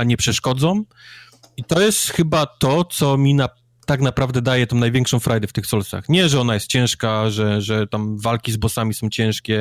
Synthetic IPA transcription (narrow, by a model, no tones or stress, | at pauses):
aɲɛpʂɛʂkɔd̪zɔ̃w̃ | it̪ɔjɛst̪xɘbat̪ɔt̪sɔmʲina | t̪aknapɾavd̪ɛd̪ajɛt̪ɔ̃w̃najvʲjɛŋkʂɔ̃w̃fɾajd̪ɛft̪ɘxsɔlsa̰xɲɛʐɛɔnajɛst̪̚t͡ɕɛ̃ʂkaʐɛʐɛt̪amvalkʲizbɔsamʲisɔ̃w̃t͡ɕɛ̃w̃ʂkʲɛ